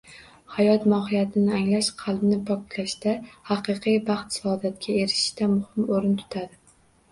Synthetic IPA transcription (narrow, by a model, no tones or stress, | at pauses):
hajɒt̪mɒɦɪjat̪ʰɪnɪaŋlaʃqʰɑlˠbnɪpʰɒkt̪ʰlaʃd̪ahɑqʰɨqʰɨjbɑχt̪ɪ̥sɒd̪at̪̚kʲʰae̞ɾɪʃɪ̥ʃt̪amʊhɪmoɾɪnt̪ʰʊ̥t̪ʰad̪ɪ